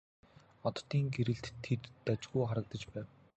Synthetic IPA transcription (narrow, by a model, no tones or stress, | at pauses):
ɔt̪t̪ːiːŋɡeɾɘ̆ɬt̪ʰːet̪ːat͡ɕɣujχaɾə̆k̚t̪ə̆t͡ɕpæːw